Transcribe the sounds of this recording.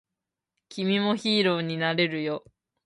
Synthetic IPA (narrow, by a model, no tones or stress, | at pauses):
kʲimʲimo̞çiːɾo̞ːɲ̟inaɾe̞ɾɯ̟jo̞